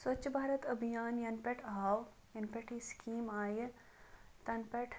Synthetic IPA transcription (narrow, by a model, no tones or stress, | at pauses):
swɐtːt͡ʃʃʰbʱaːɾət̪ɐbʱijaːnjɐnpɐʈʰaːw | jɐnpeʈʰiskiːmaːje | t̪ɐnpɐʈʰ